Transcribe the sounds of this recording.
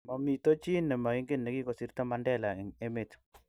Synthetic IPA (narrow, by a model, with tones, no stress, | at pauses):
mɔ˨mi˨to˦t͡ʃi˦nːɛ˨ma˨ɪ˦ŋɡɪ˦nnːɛ˨ki˦ko˨si˨ɾta˦ma˨ndɛ˦la˨e˦me˨t